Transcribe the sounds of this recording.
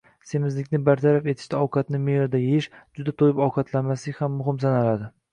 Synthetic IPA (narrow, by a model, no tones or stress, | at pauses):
se̞mɪzlɪkʲnɪbaɾt̪ʰaɾafe̞t̪ʰɪ̥ʃt̪aɒwqɑt̪nɪmeɾɪd̪ajeɪʃd͡ʒʊd̪at̪ʰojɪpɒwqʰɑt̪ʰlanmaslɪkʲhamːʊɦɪmsanalad̪ɪ